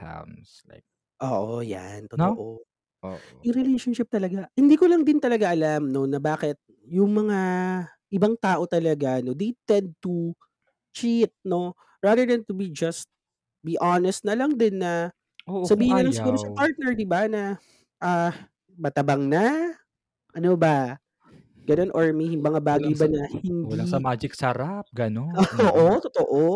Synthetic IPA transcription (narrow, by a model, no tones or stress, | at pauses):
a̰nsla̰ | ʔo̰ːʔoja̰nt̪ooʔo | jʊŋɾɪlejʃonʃɪp̚t̪ɐlɐɡahɪnd̪iːkolɐŋd̪ɪnt̪ɐlɐɡaʔɐlamno̞nɐbaːkɛt̪̚ | jʊŋmɐŋa | ʔɪbaŋt̪aːʔo̞t̪ɐlɐɡano̞d̪ɛjt̪ɛnd̪̚t̪u | t͡ʃit̪̚no̞ | ɹad̪əɹd̪ɐnt̪ubid͡ʒɐst̪̚ | biʔanɛst̪̚nɐlɐŋd̪ɪnːɐ | osɐbiːhɪnːɐlɐŋsɪuːɾosɐpaɹt̪̚nɛɹd̪ɪbanɐ | ʔa | mɐt̪ɐbɐŋnɐ | ʔɐnobɐ | ɡ̥ɐno̞nʔoɹmihɪŋbɐŋabaːɡɐjbanɐhɪnd̪isɐmaːd͡ʒɪksɐɾap̚ɡɐnoooːʔot̪ot̪oʔo